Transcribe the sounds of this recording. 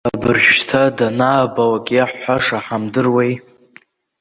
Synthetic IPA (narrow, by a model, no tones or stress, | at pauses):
abɨrʒʃtʰadanaːbawakʲʼaħːʷaʂaħamdɨrwe̞j